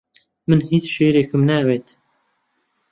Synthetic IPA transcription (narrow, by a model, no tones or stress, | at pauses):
mɨnhiːt͡sʃeːɾeːkʰɨmnɛweːt̪